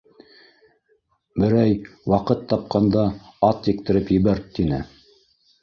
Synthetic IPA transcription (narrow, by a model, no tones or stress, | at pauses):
bɘ̆ɾæjwɑqɤt̪ʰːɑp̚qɑnd̪ɑɑt̪jɘ̆k̚t̪ɘ̆ɾɘpjɘ̆βæɾt̪ːinɘ